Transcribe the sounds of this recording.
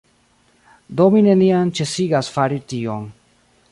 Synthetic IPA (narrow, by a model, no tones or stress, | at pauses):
domine̞niant͡ʃe̞siɡasfaɾition